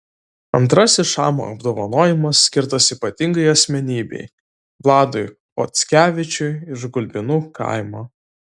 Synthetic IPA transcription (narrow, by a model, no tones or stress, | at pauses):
ɐ̰nt̪ɾɐsʲɪʃɑ̰ːmo̰ɐ̰b̚d̪oːʋɐnoːjɪmɐsːʲkʲɪɾt̪ɐsiːpɐt̪ʲɪŋɡɐɪɐsʲmʲɛnʲiːbʲɛ̰ɪ | ʋlˠɑːd̪ʊɪ | po̰t̪sʲkʲæːʋʲɪt͡ʃʲʊɪɪʒɡʊlʲbʲɪnuːkɑ̰ˑɪmoː